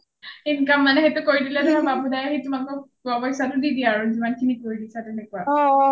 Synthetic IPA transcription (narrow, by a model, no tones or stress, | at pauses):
inkamːanɛxetukoɹidilɛdaɹababʱudajaɦitʊmakʊ | ɔbɔjsatʊdidiaɹuzimankʰinikoɹidisatɛnɛkua